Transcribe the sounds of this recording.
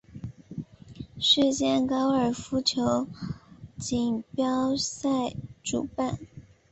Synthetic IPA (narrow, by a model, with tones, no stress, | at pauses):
ʂɻ̩˥˧t͡ɕjɛ˥˩nkɑ˥ʊə˞˨˩fu˧˥t͡ɕʰjo˧˥ʊ | t͡ɕi˨˩ŋpjɑ˥ʊsa˥˩ɪʈ͡ʂṵ˨˩pa˥˩n